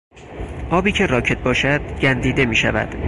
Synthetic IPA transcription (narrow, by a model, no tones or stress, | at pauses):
ʔɒːbiːcʰe̞ɾɒːcʰe̞t̪̚bɒːʃæd̪̥ɟænd̪iːd̪e̞miːʃæ̰væ̰d̪̥